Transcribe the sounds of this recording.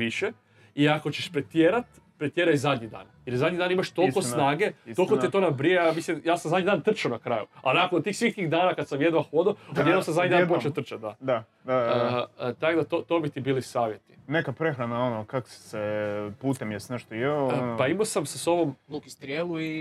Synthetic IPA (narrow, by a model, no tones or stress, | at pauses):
ʋiʃe | iako̞t͡ɕeʃpɾet̪jeːɾat̪ | pɾet̪jeɾajzad̪ʲɲid̪a̰ːnjeɾzad̪ʲɲid̪aːnimaʃt̪o̞lkossnaːɡe̞o̞lˠkot̪et̪onabɾiejamislimjaːsamzad̪ɲid̪ant̪r̩t͡ʃonakɾajua̰nakonot̪iːxsʋit̪iɣd̪aːnakad̪samjed̪ʋaxod̪oojed̪omsamzad̪ɲid̪anpot͡ʃeot̪r̩t͡ʃat̪̚d̪a̰d̪a | a | t̪aɡd̪at̪ot̪o̞bit̪ibiːlisaːʋje̞t̪i̥nekapɾe̞xɾanaonokaksepuːt̪emjesneʃt̪ojenpaimosamseso̞ʋo̞mlukist̪ɾjelˠui